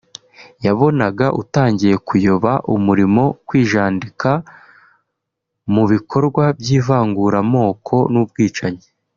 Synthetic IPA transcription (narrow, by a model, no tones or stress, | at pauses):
jaβo̞naɡaʔutaːɲɟije̞kujoβaʔumuɾimo̞kwiːʒaːndika | muβikʰo̞ɾɡwabjiːvaːŋɡuɾamo̞ːkʰo̞nuːb̚ɡiːt͡ʃaɲe